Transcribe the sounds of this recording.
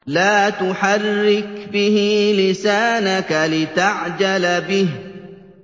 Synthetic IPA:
laːt̪ʊħarːɪkbɪhilɪsaːnakalɪt̪aʕd͡ʒalbɪh

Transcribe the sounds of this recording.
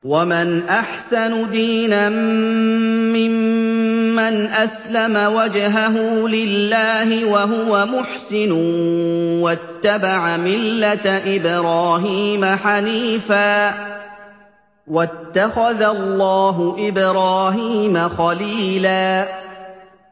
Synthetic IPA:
wamanʔaħsanʊd̪iːnamː | ɪmː | anʔaslamawad͡ʒɦaɦuːlɪlːaːhɪwaɦʊwamʊħsɪnʊ | wat̪ːabaʕamɪlːat̪ʔɪbɾaːɦiːmaħaniːfaː | wat̪ːaxaðalːɑːɦʊʔɪbɾɑːɦiːmaxɑliːlaː

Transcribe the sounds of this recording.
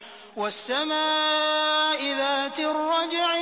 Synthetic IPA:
wasːamaː | ʔɪðaːt̪ɪrˤːɑd͡ʒɪʕ

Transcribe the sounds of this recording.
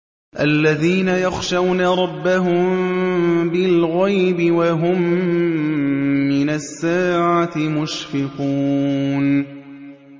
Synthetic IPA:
ʔalːaðiːnajɑxʃawnaɾˤɑbːaɦʊm | bɪlɣɑjbɪwaɦʊm | ɪnasːaːʕat̪ɪmʊʃfɪquːn

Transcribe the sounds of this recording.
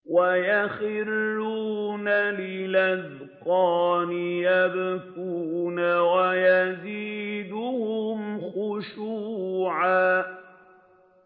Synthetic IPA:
wajaxɪlːuːnalɪlað | qɑːnɪjabafuːnawajaziːd̪ʊhʊmxʊʃuːʕaː

